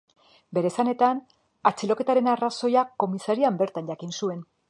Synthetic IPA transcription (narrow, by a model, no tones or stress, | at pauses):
be̞ɾe̞sane̞t̪an | at͡silo̞ke̞t̪aɾe̞naraso̞jako̞misaɾiambe̞ɾt̪anɟakinsue̞n